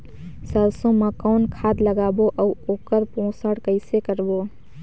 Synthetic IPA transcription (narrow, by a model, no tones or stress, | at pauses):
səlsõmə̃kɔːnkʰaːd̪ləɡaːboʔəuoːkəɾpõːsəɽkəɪsekəɾboː